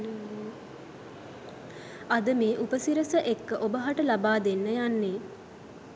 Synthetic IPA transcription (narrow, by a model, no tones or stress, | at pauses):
ad̪əmeːʔupəsiɾəsəʔekːəʔobəɦaʈəlabaːd̪enːəjanːeː